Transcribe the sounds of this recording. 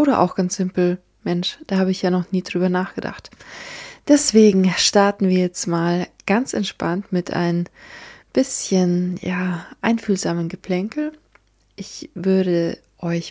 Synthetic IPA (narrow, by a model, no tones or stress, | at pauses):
ʔoːɾɐʔa̰ʊxɡ̥ansz̥ɪmpl̩ | mɛnʃd̥aːhaːbəɪçjaːnɔχniːdʁyːbɐnaːχɡ̥əda̰χt | d̥ɛsv̥eːɡŋ̩ʃtaɐtn̩viːɐjɛt͡stmaːlɡ̥ant͡sʔɛntʃpantmɪtʰʔa̰ɪnənb̥ɪsçənjaːʔaɪnfyːlzaːmənɡəpʰl̥ɛŋkl̩ | ʔɪçv̥ʏɐɾə | ʔɔʏç